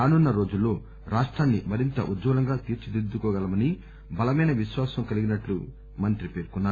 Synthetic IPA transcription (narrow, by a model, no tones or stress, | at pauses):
aːnunːɐɾoːd͡ʒulːo̞ː | ɾaːʂʈɾaːnːḭmɐɾint̪ɐ̰ʔudd͡ʒd͡ʒɐːlɐŋɡaːt̪iːɾt͡ʃid̪id̪ːukɔːɡɐlɐmɐni | bɐlɐmɐjnɐʋiʃʋaːsɐmkɐliɡinɐʈlu | mɐnt̪ɾipe̞ːɾkunːaː